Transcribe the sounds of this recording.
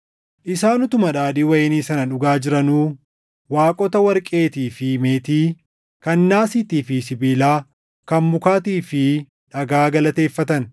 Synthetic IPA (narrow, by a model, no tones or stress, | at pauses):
ʔɪsaːnʊt̪ʊmɐᶑaːdiːwɐjeniːsɐnɐᶑʊɡaːd͡ʒɪɾɐnuː | waːkʼɔt̪ɐwɐɾkʼe̞ːt̪iːfɪmeːt̪iː | kɐnːaːsɪːt̪iːfɪsɪbiːlaː | kɐnmʊkaːt̪iːfɪ | ᶑɐɡaːɡɐlɐt̪e̞ːfːɐt̪ɐn